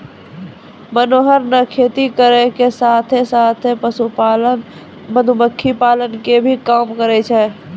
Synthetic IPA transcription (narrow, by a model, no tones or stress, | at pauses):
mənoːɦəɾnəkʰeːt̪ikəɾekesaːt̪ʰesaːt̪ʰepəsupalən | məd̪ʱuməkʰːipaːlənkebʱikaːmkəɾet͡ʃʰɛː